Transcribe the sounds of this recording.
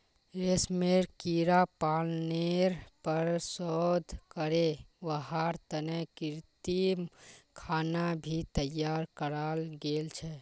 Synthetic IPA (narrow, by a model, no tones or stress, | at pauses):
ɾesmeɾkiɾapalneɾpəɾsɔd̪ʱkəɾeʋəɦaɾt̪ənɛkiɾt̪imkʰanabʱit̪əjaɾkəɾalɡelt͡ʃʰɛ